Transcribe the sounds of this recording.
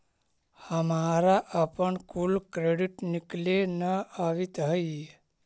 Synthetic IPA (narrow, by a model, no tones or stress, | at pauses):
həmaɾaʔapəɳkulkɾeɽiʈniklenəaʋit̪ɦəje